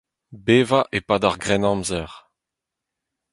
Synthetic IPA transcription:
beːvaʔepad̪aʁɡʁɛnɑ̃mzɛʁ

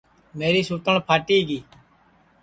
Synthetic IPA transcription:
meːɾiːsuːt̪əɳpʰaːʈiːɡiː

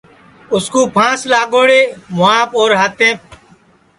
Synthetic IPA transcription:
ʊskũːpʰãːslaːɠoːɽeːmʊaːpoːɾɦət̪ẽː

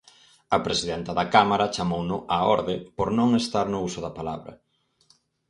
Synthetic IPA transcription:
ɐpɾesiðɛnt̪ɐðɐkamaɾɐt͡ʃamownʊʔaɔɾðɪpoɾnõŋest̪aɾnʊusʊðɐpalaβɾɐ̰

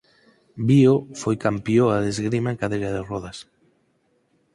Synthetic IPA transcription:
biofojkampjoaðezɣɾimaeŋkaðejɾaðɪrɔðas

